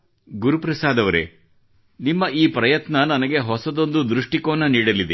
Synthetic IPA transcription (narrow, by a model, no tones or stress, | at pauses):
ɡuɾupɾɐsaːd̪ɐʋɐɾe | nimːɐʔiːpɾɐjɐt̪nɐnɐnɐɡe̞ɦɔsɐd̪o̞nd̪ud̪ɾuʂʈikoːnːɐniːɽɐlid̪e